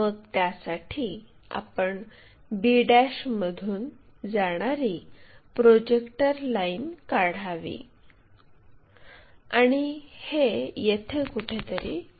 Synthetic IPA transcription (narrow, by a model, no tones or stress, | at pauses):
əɡ̚t̪jasaʈʰiː | a̰pəɳ | biɽaɕməd̪ʱuːn | d͡zaɽ̃aɾipɾod͡ʑekʈəɾlainkaɽ̤aʋḭ | aɽ̃ihejet̪ʰekuʈʰet̪əɾḭ